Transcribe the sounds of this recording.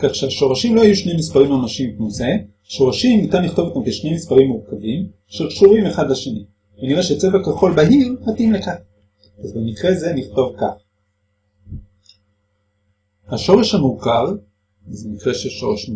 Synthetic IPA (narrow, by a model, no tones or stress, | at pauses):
kaχʃeaʃo̞ʁaʃimlo̞hajuʃnejmispaʁimamaʃimbmose | aʃo̞ʁaʃimnit̪anliχt̪o̞vot̪amkeʃne̞jmispaʁimːuʁkavim | ʃelkʃuʁimeχadlaʃeni | veniʁeʃet͡sevakaχo̞lbaɦiʁhatimlekaχ | azbemikʁeze̞niχto̞vka̰χ | haʃo̞ʁeʃhamukaʁ | zemikʁeʃeʃo̞ʁeʃ